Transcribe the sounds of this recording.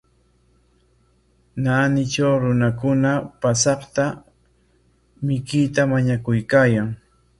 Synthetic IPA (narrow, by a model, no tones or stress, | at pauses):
naːnɪt͡ʃawɾʊnakʊnapasɑχt̪a | mɪkɪt̪amaɲakʊjkaːjaŋ